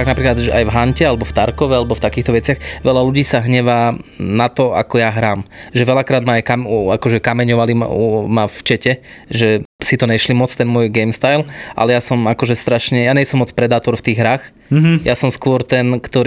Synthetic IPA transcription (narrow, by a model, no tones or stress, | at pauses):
aɡnapɾiːklad̪ʒɛajvɦaɲcɛalɛbɔft̪aɾkɔʋɛalɛbɔft̪akiːxt̪ɔʋɛt͡sɪaxʋɛlaluɟiːsaɦɲɛʋaːnat̪ɔa̰kɔjaɦɾaːmʒɛʋɛlakɾaːd̪maajkamakɔʒɛkamɛɲɔʋalimaft͡ʃɛcɛʒɛsit̪ɔɲɛʃlimɔt͡st̪ɛnmʊɔjɡɛjmst̪ajlʔa̰lɛjasɔmakɔʒɛst̪ɾaʃɲɛjaːɲɛjsɔmːɔt͡spɾɛd̪aːt̪ɔɾft̪iːɣɦɾaːx | jasɔmskʊɔɾt̪ɛnkt̪ɔɾ